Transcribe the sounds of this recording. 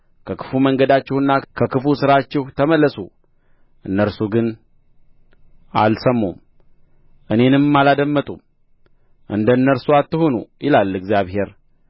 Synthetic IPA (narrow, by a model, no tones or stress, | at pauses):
kʰəkʰɨ̥fuməŋɡəd̪at͡ʃːɪhɨnːakʰəkʰɨfusɨɾat͡ʃːɛht̪ʰəməlːəsu | ʔɨnːəɾsuɡɨn | a̰lsəmːum | ʔɨne̞nɨmmːalad̪əmːət̪ʼṵm | ʔɨ̰nd̪əɨnːəɾsuat̪ːɨhonṵjɪlalːɨɡzijaβhe̞ɾ